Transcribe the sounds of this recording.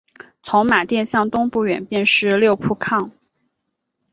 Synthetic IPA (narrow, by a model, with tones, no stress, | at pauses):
t͡sʰʊ˧˥ŋma˨˩t̪jɛ˥˧nɕjɑ˥˩ŋt̪ʊ˥ŋpu˥˩ɥɛ̰˨˩npjɛ˥˧nʂɻ̩˥˧ljo˥˧ʊpʰu˥˧kʰɑ˥˩ŋ